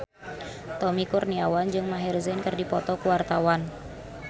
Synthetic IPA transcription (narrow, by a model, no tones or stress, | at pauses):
t̪ɔmikurniawand͡ʒɨŋmaɦɛrzɛnkɨrdipɔt̪ɔkuwart̪awan